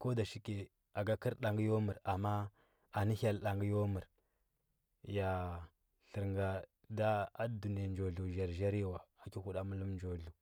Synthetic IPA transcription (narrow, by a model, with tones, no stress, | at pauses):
ko˦da˨ʃi˦ke˨ | a˨ɡa˦ki˦ɾɗa˨ŋɡi˦jo˦mu˨ɾa˨mːa˦ | a˨ni˦ha˦la˨ŋɡi˦jo˦mu˨ɾ | ja˨ | ɬə˨ɾŋɡa˨ | da˦a˦du˨ni˦a˨nd͡ʒo˨ɮu˨ʒa˨ɾʒa˦ɾi˦jwa˨a˨ki˦hu˦ɗa˦mu˦lu˦mnd͡ʒo˨ɮu˨